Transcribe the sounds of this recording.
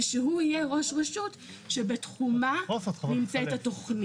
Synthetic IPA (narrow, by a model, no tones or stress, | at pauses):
ʃeɦuijeʁo̞ʃʁeʃut | ʃebe̞t̪χumafnimt͡set̪ato̞χni